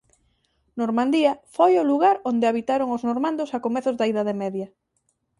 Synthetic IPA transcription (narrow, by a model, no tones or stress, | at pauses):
noɾmãnd̪iɐfojʊluɣaɾond̪eaβit̪aɾoŋoznoɾmãnd̪osakomɛθʊzðaiðaðemɛðjɐ